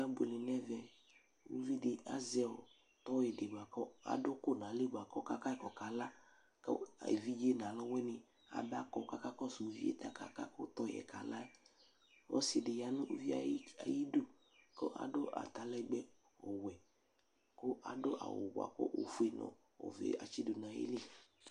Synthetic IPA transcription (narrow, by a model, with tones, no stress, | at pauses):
a˦bu˨lɪ˨nɛ˦vɛ˨ | o̰˦vi˦dɪ˨a˦zɛ˦ɔ˨ | t̪ɔ˦e˨dɪ˨ɡ͡ba˨kɔ˦a̰˨dʊ˦kʊ˦˨nã˨le˦˨ɡ͡ba˨kɔ˦ka˦ka˦kɔ˨ka˨la˦ | kɔ̰˦a̰˨vi˦d͡ʒe˦nã˨lɔ˦wɛ˦nɪ˨ | a̰˨ba˦kɔ˦ka˨ka˦kɔ˦˨sʊ˨vi˦ḛ˦t̪a˦ka̰˦ka̰˦kʊ˦t̪ɔ˦jɛ̰˨ka˨la˦ | ɔ̰˦sɪ˨dɪ˨ja˨nʊ̃˦ʔo˨vi˦a˨˦a̰˨ji˦do˦˨ | kɔ˦ʔa̰˨dʊ˦ʔa̰˨t̪a˨lɛ˦ɡ͡bɛ˦ | ɔ˨wɛ˨ | kʊ˦ʔa̰˨dʊ˦ʔa̰˨wʊ̰˨ɡ͡ba̰˨kʊ̰˦ʔo̰˦fu˦e˨nɔ̰̃˨ | ɔ̰˨vḛ˨a̰˨t͡ʃi˦dʊ˨nã˨˦jḛ˦le˦